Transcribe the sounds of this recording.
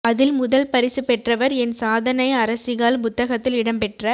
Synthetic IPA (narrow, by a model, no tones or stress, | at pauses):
ɐðɪlmʊðɐlpɐɾɪsɯpɛʈrɐʋɐɾɛnsaːðɐnɐɪɐɾɐsɪɣaːlpʊt̪ːɐɣɐt̪ːɪlɪɽɐmpɛʈrɐ